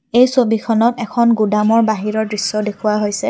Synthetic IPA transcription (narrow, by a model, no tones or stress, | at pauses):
ejsobikʰɔnɔtɛkʰɔnɡudamɔɹbaɦiɹɔɹdɹisːɔdekʰuwaɦojsɛ